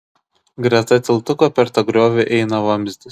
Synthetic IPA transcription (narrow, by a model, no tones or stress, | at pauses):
ɡɾʲɐt̪ɐt̪ʲɪlˠt̪ʊkopʲɛɾt̪ɐɡɾʲoːʋʲeʔɛɪnɐʋɐmʲzʲd̪ʲɪs